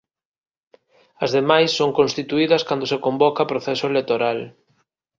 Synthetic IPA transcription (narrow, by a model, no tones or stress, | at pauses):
ɐzðemajsːoŋkõnst̪it̪uiðɐskand̪osekombɔkapɾoθɛsʊelekt̪oɾal